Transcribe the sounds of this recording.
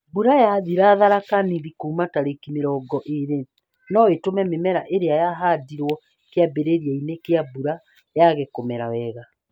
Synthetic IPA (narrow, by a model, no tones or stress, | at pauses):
buɾajaðiɾaðaɾakaniɾikomataɾekimeɾɔːɡɔʔeɾe | nɔwetomɛmemɛɾaʔeɾeajaɦadiɾwɔ | keabeɾeɾijainekeabuɾa | jaɣekomɛɾawɛɣa